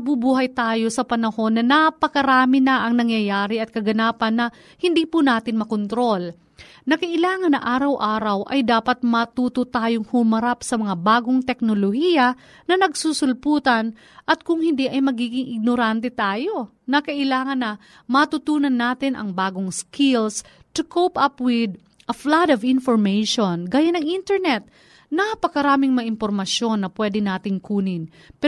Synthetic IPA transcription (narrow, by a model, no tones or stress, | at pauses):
ɐbubuːɦɐjt̪aːjo̞sɐpɐnɐho̞nːɐnɐpɐkɐɾaːmɪnɐʔɐŋnɐŋjɐjaːɾɪɐt̪̚kɐɡɐnaːpɐnːɐ | hɪnd̪iːpunaːt̪ɪnmɐkont̪ɾo̞l | nɐkɐʔɪlaːŋɐnːɐ̰ʔaːɾɐwʔaːɾɐwʔɐ̰jd̪aːpɐt̪̚mɐt̪uːt̪ot̪aːjoŋhʊmɐɾapsɐmɐŋabaːɡoŋt̪ɛk̚nolohiːjɐ | nɐnɐɡ̚susʊlpuːt̪ɐn | ʔɐt̪̚kʊŋhɪnd̪iʔɐjmɐɡiːɡɪŋʔɪɡ̚noɾant̪ɛt̪aːjo̞ | nɐkɐʔɪlaːŋɐnːɐ | mɐt̪ut̪uːnɐnːaːt̪ɪnʔɐ̰ŋbaːɡoŋskɪls | t̪ʊkʰopɐpwɪd̪ | ʔɐflad̪ɐvɪnfoɹmejʃonɡaːjanɐŋʔint̪ɛɹnɛt̪̚ | nɐpɐkɐɾaːmɪŋmɐaʔɪmpoɾmɐʃjo̞nːɐpwɛːd̪ɛnaːt̪ɪŋkuːnɪnpɛ